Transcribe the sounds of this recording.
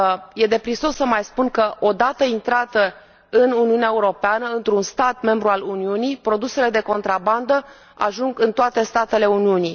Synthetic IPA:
je̞d̪e̞pɾiso̞sːəmajspunkəʔo̞d̪at̪əint̪ɾat̪ə | ɨnuniuneaeuɾo̞peanəɨnt̪ɾunst̪at̪me̞mbɾualuniunijpɾo̞d̪use̞le̞d̪e̞ko̞nt̪ɾaband̪ə | a̰ʒuŋɡɨnt̪oat̪e̞st̪at̪e̞le̞uniuni

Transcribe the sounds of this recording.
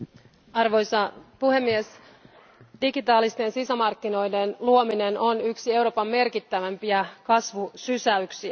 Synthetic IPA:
ɑrʋo̞jsɑpuhe̞mːies | d̥iɡit̪ɑːlist̪e̞nsisæmɑrkːino̞jde̞nluomine̞no̞nyksie̞wɾo̞ːpɑmːe̞rkit̪ːæʋæmpiækɑsʋusysæyksiæ

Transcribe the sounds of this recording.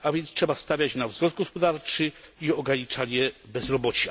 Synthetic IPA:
avʲjɛnt̪stʂɛbast̪avʲjat͡ɕnavzɡɔz̚ɡɔspɔd̪aɾt͡ʂɘ | iɔɡɾaɲit͡ʂaɲɛbɛzɾɔbɔt͡ɕi

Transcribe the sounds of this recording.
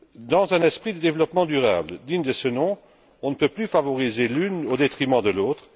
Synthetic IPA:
d̪ɑ̃zɛ̃nɛspχid̪əd̪evlɔpmɑ̃d̪yʁa̰ːbləd̪iɲd̪əsənɔ̃ | ɔ̃nəpøplyfavɔʁizelynod̪et̪χimɑ̃d̪əloːt̪χ

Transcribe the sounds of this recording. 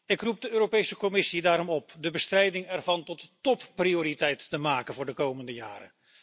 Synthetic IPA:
ɪkrup̚dəøːropejsəkɔmɪsidaːɾɔmɔpdəbəstrɛjdɪŋɛrvɑntɔttɔpprioːɾitɛjtːəmaːkənvʊːɹdəkowməndəjaːɾə̰n

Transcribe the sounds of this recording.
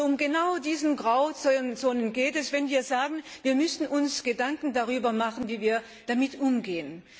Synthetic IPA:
ʊmɡənaʊdiːzən̩ɡʁaʊt͡st͡soːnənɡeːtɛsv̥ɛnviːɐzaːɡn̩v̥iːɐmʏsn̩ʔʊnsɡ̥ədaŋkn̩daʁyːbɐmaχn̩viːviːɐ | d̥amɪtʔʊmɡeːən

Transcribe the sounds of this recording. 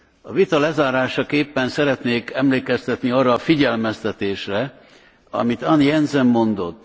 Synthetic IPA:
ɒvit̪ɒlɛzaːɾaːʃɒkeːpːɛnsɛɾɛt̪neːkɛmleːkɛst̪ɛt̪niɒːrːɒːfiɟɛlmɛst̪ɛt̪eːʃrɛ | ɒ̰mit̪ɒnjɛnzɛmːo̞nd̪o̞t̪ː

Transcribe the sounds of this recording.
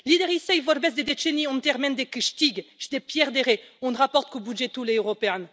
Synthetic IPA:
lid̪ɛʁisɛjvɔɾbɛs̬d̪ed̪et͡ʃeniɔ̃nt̪ɛʁmɛ̃nd̪ekəʃt̪iɡʃd̪epjɛʁd̪eʁeɔ̃nʁapɔʁt̪̚kobyʒet̪uleøʁɔpeɛ̃n

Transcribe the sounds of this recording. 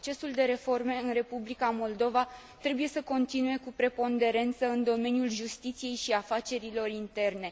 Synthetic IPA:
ot͡ʃe̞suld̪e̞ɾe̞fo̞rme̞ɨnre̞publikamo̞ld̪o̞va | t̪ɾe̞buje̞səko̞nt̪inue̞kupɾe̞po̞nd̪e̞ɾe̞nt̪səɨnd̪o̞me̞njulʒust̪it̪sije̞jʃiafat͡ʃe̞ɾilo̞rint̪e̞rne̞

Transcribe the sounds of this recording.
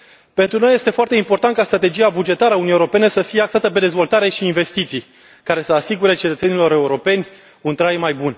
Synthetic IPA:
pe̞nt̪ɾuno̞jːe̞st̪e̞foart̪e̞impo̞rt̪ant̪kast̪ɾat̪e̞d͡ʒiabud͡ʒe̞t̪aɾəaunijeoɾo̞pe̞nesəfije̞aksat̪əpe̞d̪e̞zvo̞lt̪aɾe̞ʃiːnve̞st̪it̪sij | kaɾe̞səasiɡuɾe̞t͡ʃe̞t̪ət̪se̞nilo̞ɾe̞uɾo̞pe̞nʲ | unt̪ɾajmajbun

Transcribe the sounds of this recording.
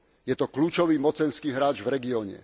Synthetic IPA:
jɛt̪ɔkluːt͡ʃɔʋiːmɔt͡sɛnskiːɦɾaːd͡ʒvɾɛɡiɔːɲɛ̰

